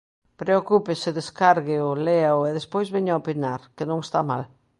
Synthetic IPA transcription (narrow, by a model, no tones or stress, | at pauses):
pɾeokupesɪðeskaɾɣɪoleaoeðespojzβeɲaopinaɾkenõŋest̪amal